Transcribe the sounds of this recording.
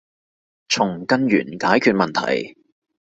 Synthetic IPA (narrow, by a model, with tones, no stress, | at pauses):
t͡sʰʊ˨˩ŋkɐ˧nɥy̰ː˨˩nkaː˨˥jkʰyː˧t̚mɐ˨nt̪ʰɐ̰˨˩j